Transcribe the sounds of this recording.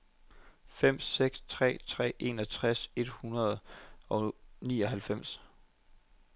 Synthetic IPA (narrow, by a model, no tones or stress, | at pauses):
fem̰seɡ̥st͡sʰʁɛ̰ːt͡sʰʁɛ̰ːʔe̝̰ːnɒ̽t͡sʰʁase̝d̥hunɐð̞ˠɒ̽nḭːɒ̽ɦælfem̰s